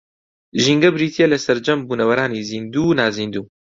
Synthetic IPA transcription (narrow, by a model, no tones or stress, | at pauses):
ʒiŋɡɐbɾiːt̪ʰijelɐsɐɾd͡ʒɐmbuːnɐwɐɾaːniːziːnd̪uːnaːziːnd̪uː